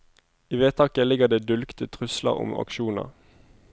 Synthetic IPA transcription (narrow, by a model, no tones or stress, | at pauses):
iːʋeːt̪ʰɑːkəlɪɡəʁd̪eːd̪ʉlkt̪ʰət̪ʰʁʉslə̰ʁʊ̰mɑ̰kʃuːnə̰ʁ